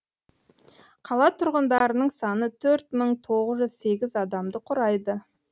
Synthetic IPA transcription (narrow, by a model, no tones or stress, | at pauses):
qʰɑlˠɑt̪ʰʊɾʁənd̪ɑɾənəɴsɑnət̪ʰɵɾt̪məɴt̪ʰo̞ʁəzʒʏzse̞ɡʲɪzɑd̪ɑmd̪əqʰʊɾɑjd̪ə